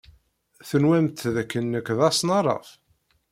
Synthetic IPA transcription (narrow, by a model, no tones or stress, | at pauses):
θənwæmt̪ðækːənːəkðɑsˤnɑrˤɑ̰f